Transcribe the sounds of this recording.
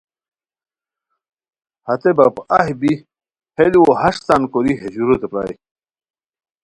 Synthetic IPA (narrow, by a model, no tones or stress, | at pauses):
hɐt̪ebɐpɐɦibi | heliwohɐʂsankoɾiɦed͡ʑuɾot̪epa̰ːj